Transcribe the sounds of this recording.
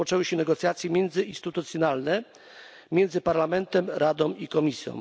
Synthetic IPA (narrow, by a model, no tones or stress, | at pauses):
ɔt͡ʂɛwɘɕɛnɛɡɔt̪sjat̪sʲjɛmʲjɛnd̪zɘinst̪ɘt̪ut̪sʲjɔnalnɛ | mʲjɛnd̪zɘpaɾlamɛnt̪ɛmɾad̪ɔ̃mikɔmʲisʲjɔ̰̃w